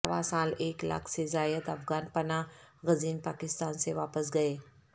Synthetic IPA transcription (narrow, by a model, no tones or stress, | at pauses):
ʋa̰saːleːkla̰ːkʰsezaːjəd̪ɐfɣaːnpɐnaɣɐziːnpaːkɪst̪aːnseʋaːpəsɡɐeː